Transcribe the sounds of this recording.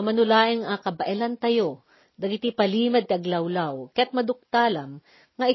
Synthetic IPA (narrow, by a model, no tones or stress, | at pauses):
ɐmɐnʊlaːʔɪŋakɐbɐʔɛlant̪ɐjo | d̪ɐɡɪt̪ipɐliːmɐd̪̚t̪ɪʔɐɡlɐwlawkɐjɐt̪̚mɐd̪ʊk̚t̪aːlɐm | ŋɐɪ